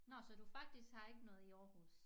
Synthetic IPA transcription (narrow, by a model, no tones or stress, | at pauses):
nɒsɒ̽d̥ufɑ̈ɡ̥̚d̥isɡ̥hɑ̈e̝ɡ̥ənɔ̽ːð̩ˠiɒːhṵs